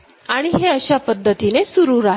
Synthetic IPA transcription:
aɽ̃iɦeəɕapəd̪ʱːət̪inesuɾuːɾa

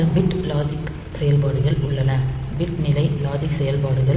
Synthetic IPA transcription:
ɐbɪʈːlaːd͡ʒɪk | sɛjɐlpaːɽɯɣɐɭʊɭːɐnɐ | bɪʈnɪlɐɪlaːd͡ʒɪksɛjɐlpaːɽɯɣɐ

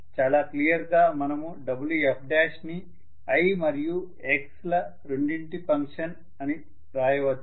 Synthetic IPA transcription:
t͡ʃaːlaːklijɐɾɡaːmɐnɐmuɖɐbuljuep̚ʰɖaːʃni | ɐjmɐɾiju | ekslɐ | ɾeɳɖiɳʈipɐŋkʂɐn | ɐni | ɾaːjɐʋɐd̪ːu

